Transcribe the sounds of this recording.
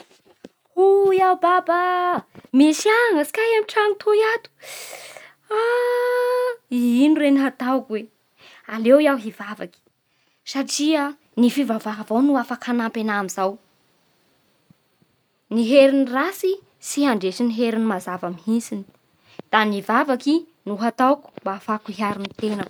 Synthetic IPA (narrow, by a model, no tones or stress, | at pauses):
hujawbaba | mesiaŋəsi̥kajamiʈ͡ʂaŋit̪ʰojat̪u̥ | a | iinuɾeniɦat̪akwe | alewiawɦivava̰ki̥ | saʈ͡ʂia | nifivavaɦavawnuafakʰanampenamizaw | niɦeɾinirasi | siɦaɳɖ͡ʐesiniɦeɾinimazavamiɦisini̥ | d̪̥anivavaki | nuɦat̪awku̥mbaːfakuɦiaɾinit̪enə